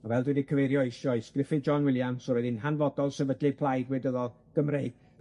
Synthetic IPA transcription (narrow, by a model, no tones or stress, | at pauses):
avɛlˠdwɨdikʰəvejɾjɔesɔɨsɡ̥rɪfɨd͡ʒɔnwɪlˠjamsɔɾɛðɪnɦanvɔdɔlˠsɛvədlɨpʰl̥ˠajdwɪdəðɔlˠɡ̥əmrejɡ̥̚